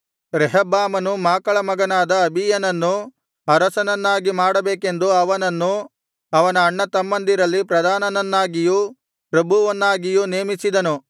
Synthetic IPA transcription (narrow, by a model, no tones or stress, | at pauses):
ɾɛɦɐbaːmɐnumaːkɐɭɐmɐɡɐnaːd̪ɐːbʱijɐnɐnːu | ɐɾɐsɐnɐnːaːɡimaːɽɐbeːke̞nd̪uɐʋɐnɐnːu | ɐʋɐnɐːɳːɐt̪ɐmːɐnd̪iɾɐlːipɾɐd̪ʱaːnɐnɐnːaːɡiju | pɾɐbʱuʋɐnːaːɡijuneːmisid̪ɐnu